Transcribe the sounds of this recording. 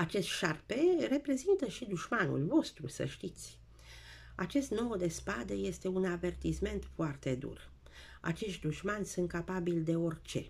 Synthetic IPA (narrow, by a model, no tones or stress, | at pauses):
at͡ʃe̞st̪ʃarpe̞re̞pɾe̞zint̪əʃid̪uʃmanṵlvo̞st̪ɾusə̰ʃt̪it̪sʲ | at͡ʃe̞st̪no̞wd̪e̞spad̪eje̞st̪e̞unave̞rt̪isme̞nt̪foart̪e̞d̪ṵr | a̰t͡ʃe̞ʃt̪d̪uʃmanʲsunt̪̚kapabild̪e̞o̞rʲt͡ʃe̞